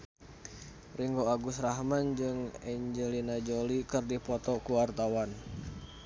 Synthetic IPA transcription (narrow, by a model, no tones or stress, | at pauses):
riŋɡoaɡʊsraɦmand͡ʒɨŋɛɲd͡ʒəlinad͡ʒolikɨrdipɔt̪ɔkuwart̪awan